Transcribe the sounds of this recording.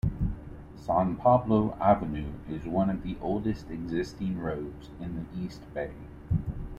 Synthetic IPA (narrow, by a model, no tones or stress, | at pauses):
sæ̃npʰɑbloʊʔævɨnʉɪzwʌ̃nʌvðiʔoʊlˠdɨstɨɡzɪstɪ̃ŋɹoʊdz̥ɨ̃nðiʔist̚b̥eɪ